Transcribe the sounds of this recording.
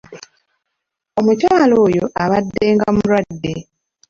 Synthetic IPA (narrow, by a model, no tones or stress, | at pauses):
o̞mutaːlo̞ːjo̞ʔaβadːe̞ːŋɡamuɾwadːe̞